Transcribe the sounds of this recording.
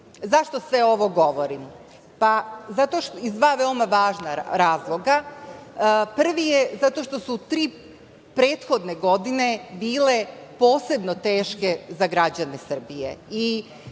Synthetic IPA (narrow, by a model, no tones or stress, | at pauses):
zaʃt̪osʋeo̞ʋo̞ɡo̞ʋoɾim | pazat̪oʃizd̪ʋaːʋe̞omaʋaːʒnaɾaːzlˠo̞ɡa | pr̩ʋijezat̪o̞ʃt̪o̞sut̪ɾiː | pɾeːt̪xo̞d̪ne̞ɡo̞d̪ine̞biːle̞po̞ːse̞bnot̪e̞ːʃke̞zaɡɾad͡ʑane̞sr̩bijei